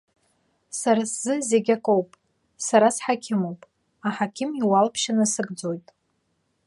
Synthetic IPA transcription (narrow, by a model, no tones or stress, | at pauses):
saɾasz̥ɨze̞ɡʲakʼowpʼ | saɾasħakʲʰɪmo̞wpʼ | aħakʲʰɪmiwalpʰʃanasɨɡd͡zo̞jtʼ